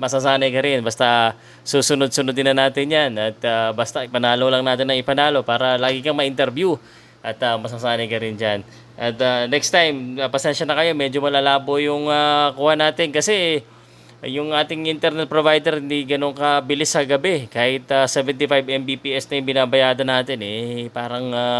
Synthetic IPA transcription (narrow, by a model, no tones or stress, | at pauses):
mɐsasaːnɐjkɐɾɪnbɐst̪a | suːsʊnod̪̚sʊnod̪ɪnɐnaːt̪ɪnjanɐt̪abɐst̪aɪpɐnaːlolɐŋnaːt̪ɪnɐŋɪpɐnaːlo̞paːɾɐlaːɡɪkɐŋmɐʔɪnt̪ɛɾbju | ʔɐt̪ɐmɐsasaːnɐjkɐɾɪnd͡ʒan | ʔɐt̪anɛkst̪ajmɐpɐsɛnʃɐnɐkɐjo̞mɛd͡ʒo̞mɐlalaːbo̞jʊŋakuhanaːt̪ɪnkɐsɛ | jʊŋʔaːt̪ɪŋʔɪnt̪ɛɾnɛt̪̚pɾovajd̪ɛɾhɪnd̪iɡɐno̞ŋkɐbɪlɪsɐɡɐbɛkaːhɪt̪ɐsɛvɛnt̪ifajbɛmbipiːʔɛsnɐjʊŋbɪnaːbɐjaːd̪ɐnaːt̪ɪnɛpaːɾɐŋa